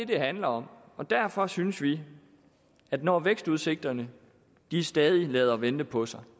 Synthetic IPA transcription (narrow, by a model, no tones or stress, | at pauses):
ded̥e̝ɦænlɐɒ̽m | ɒ̽d̥æɐfɒ̽synsʋi | æd̥nɒːʋeɡ̥sd̥uð̞ˠse̝ɡ̥̚d̥ɐnə | d̥iæsd̥ɛːð̞ˠilɛːðˠɐʋend̥əpʰɒ̽sɑ̈ɪ